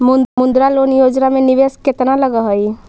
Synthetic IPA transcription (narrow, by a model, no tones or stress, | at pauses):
mumʊ̃nd̪ɾaloːnjoːd͡ʒnamẽniʋesket̪naləɡəɦoi